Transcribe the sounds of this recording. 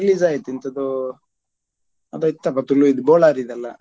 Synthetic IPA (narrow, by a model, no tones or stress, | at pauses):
liːzaːɡit̪int̪ɐd̪u | ɐd̪ɐt̪ːɐpːɐt̪ulːuid̪uboːɭaːɾid̪ɐlːɐ̰